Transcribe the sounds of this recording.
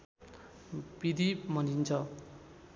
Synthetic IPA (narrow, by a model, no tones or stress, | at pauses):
bid̪imʌnint͡sʰʌ